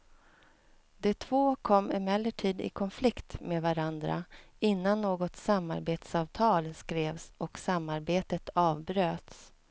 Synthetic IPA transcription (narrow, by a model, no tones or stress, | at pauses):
d̪ɛt̪ʰvoːkʰɔmːɪmɛlːəʈʰiːd̪ɪ̰kʰɔnflɪkt̪meːd̪vaɾand̪ɾa̰ | ɪnːanːoːɡɔt̪samːa̰ɾbeːt̪sɑːvt̪ʰɑːlskɾeːvsɔksamːaɾbeːt̪ət̪ɑːvbɾøːt̪s